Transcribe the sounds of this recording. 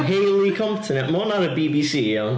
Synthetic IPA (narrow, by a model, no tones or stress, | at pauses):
ɦejlˠikʰɔntʰɪnɛʔmɔnaɾəbiːbisiːɛl